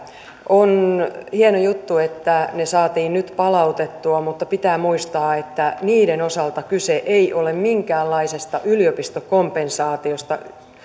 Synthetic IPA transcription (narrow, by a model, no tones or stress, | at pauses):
ʔonhienojut̪ːuet̪ːænesɑːt̪iːnnyt̪pɑlɑut̪et̪ːuɑmut̪ːɑpit̪æːmuist̪ɑːet̪ːæniːdenosɑlt̪ɑkyseʔeiʔolemmiŋkæːlːɑisest̪ɑʔyliopist̪okompensɑːt̪iost̪ɑ̰